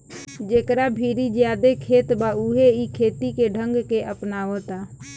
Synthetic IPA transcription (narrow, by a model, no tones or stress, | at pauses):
d͡ʒeːkɾabʱiːɾid͡ʒjaːd̪ekʰeːt̪bauɦeikʰeːt̪ikeɖʱə̃ŋɡkeʔəpnaot̪aː